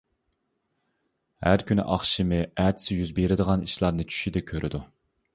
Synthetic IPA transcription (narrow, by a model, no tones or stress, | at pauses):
hæ̰ɾkʲynɪ̰ʔɑχʃimɪæːt̪ʰɪ̥sɪjyzbeɾɪd̪əʁɑniʃlˠɑɾnɨt͡ʃʰy̥ʃid̪ɪkʲʰøɾʔɪd̪u